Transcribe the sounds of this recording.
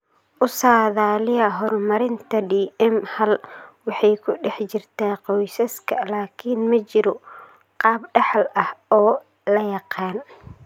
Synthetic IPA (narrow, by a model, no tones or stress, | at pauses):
ʔʊsaːðaːlɪjɐɦɔrmɐɾɪnt̪ʰɐɖiːʔɛmhɐlwɑħɑjkʰʊɖɛħt͡ʃɪrt̪ʰaːqɔjsɐskʰɐlaːkʰinmɐt͡ʃɪɾɔ | qɑːbɖɑħlɐhɔː | lɐjɑqɑːn